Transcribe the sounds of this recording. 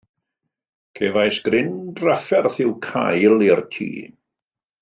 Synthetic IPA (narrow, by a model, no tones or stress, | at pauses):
kʰevajsɡ̥rɪndrafɛrθɪwkʰa̰jlˠɪrtʰḭː